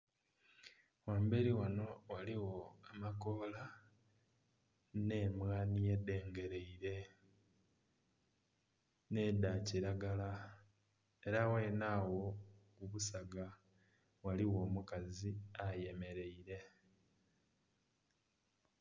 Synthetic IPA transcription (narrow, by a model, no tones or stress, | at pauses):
waːmbe̞ɾiwano̞waliwo̞amako̞la | ne̞mwaːnije̞de̞ːŋɡe̞ɾe̞iɾe̞ | ne̞ːd̪aciɾaɡala | e̞ɾawe̞ːnaːwo̞kuβusaɡa | waliwo̞ːmukaziaje̞me̞ɾe̞iɾe̞